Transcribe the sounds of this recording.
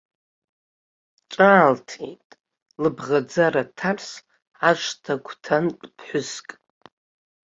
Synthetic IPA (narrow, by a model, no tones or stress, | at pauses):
ʈ͡ʂʷʼaːltʰejtʼ | lɨbʁad͡zaɾatʰars | aʂʷtʰakʷʰtʰanpʼpʰħʷʊskʼ